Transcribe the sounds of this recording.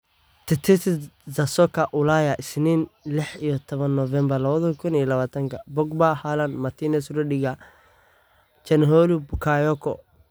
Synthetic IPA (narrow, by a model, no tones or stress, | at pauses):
t̪ʰɛt̪ʰɛt̪ɪzɐsɔkʰɐʔʊlaːjaʔɪsniːnlɪħijɔt̪ʰɔβɐnːɔvɛmbɐrlɐβɐðɔkʰʊnijlɐβaːt̪ʰɐŋkʰɐbɔɡ̚bahalɐnmɐt̪ʰinɛsɾɛɖɪɡa | t͡ʃɛnɦɔlubʊkʰajɔkʰɔ̰